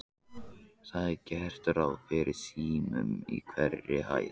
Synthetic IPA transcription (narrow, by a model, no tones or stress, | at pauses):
θaðɛɾcɛhr̥t̪ʏɾawfɪːɾɪ̥siːmʏ̰mḭkʰvɛrːɪha̰ːj